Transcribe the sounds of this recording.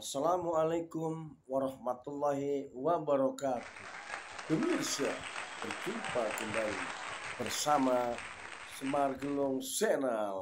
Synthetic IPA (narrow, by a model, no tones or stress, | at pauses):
asalamualakʊm | waɾɑhmat̪ulːaɦiwabaɾɔkat̪ud̪̥əmirsiabərt̪ipakumbaib̥ərsama | səmarɡəlʊŋsɛnal